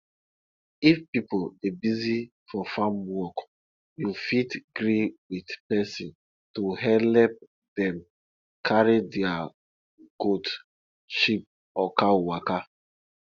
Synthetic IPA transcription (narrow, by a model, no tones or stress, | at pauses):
ifpipolebizi | fɔfãmwɔk | jufitɡɹiwidpɛsĩn | tuɦɛlɛp̚ | dɛ̃m | kʰaɹidɛa | ɡot | ʃip̚ | ɔkawaka